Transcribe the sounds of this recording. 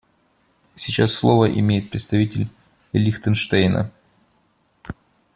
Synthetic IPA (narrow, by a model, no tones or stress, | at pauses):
sʲɪt͡ɕasːlˠovəʔɪ̰mʲejɪt̪̚pɾʲɪt̪st̪ɐvʲitʲɪlʲ | lʲixt̪ənʂt̪ejnə̰